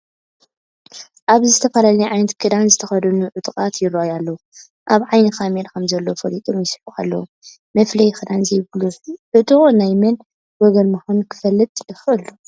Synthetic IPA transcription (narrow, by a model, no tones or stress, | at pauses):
ʔaβzɨt̪ʰɐfɐlalijʕajnɐt̪kʰɨd̪anzɨt̪ʰɐxɐd̪ɐnuʕʊt̪ʼkʼat̪jɪɾojalːɐwu | ʔaβʕajnɨxameɾkʰɐmzɐlːofɐlit̪ʼomjɪsħua̰lːɐ̰wu | mɐflɐjxɨd̪anzɐjbluħʕɨt̪ʼunajmɐn | wɔɡɐnmɨxankʰɨ̥fɐlːɨt̪ʼjɪxʔɨlːu